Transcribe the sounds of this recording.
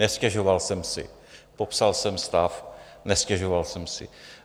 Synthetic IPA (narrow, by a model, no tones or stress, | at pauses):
nɛscɛʒo̞valsɛmsɪ̰ | popsalsɛmst̪af | nɛscɛʒovalsɛmsɪ̰